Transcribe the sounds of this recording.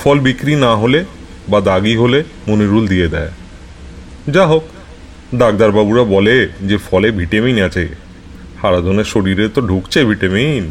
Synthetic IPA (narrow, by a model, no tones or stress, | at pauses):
fɔlbikɾinaɦole | bad̪aɡiɦole | muniɾuld̪ijed̪ɛe | d͡ʑaɦok | d̪aɡ̚d̪aɾbabuɾabɔled͡ʑefɔlebʱiʈaminat͡ɕʰej | haɾad̪ʱoneɾʃoɽiɾet̪oɖʱukt͡ɕʰebʱiʈamin